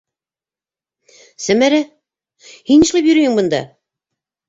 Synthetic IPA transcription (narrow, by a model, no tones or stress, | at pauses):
sæmæɾæ | hiniʃlˠɑpjɵ̆ɾɘ̆jɘŋbɤ̆nd̪ɑ̰